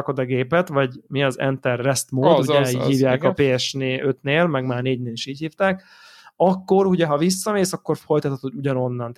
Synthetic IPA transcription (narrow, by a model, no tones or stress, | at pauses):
ko̞d̪ɒɡeːpɛt̪ʋɒɟmiɒzɛ̰nt̪ɛrːɛst̪moːd̪uɛihiːvjaːkɒpeːɛʃneːʔøt̪neːlmɛɡmaːrneːɟneːliʃiːchiːft̪aːk | ɒkːo̞ɾuɟɛɦɒvisːɒmeːsɒkːo̞rfo̞jt̪ɒt̪ʰːot̪hoɟuɟɒno̞nːɒnt̪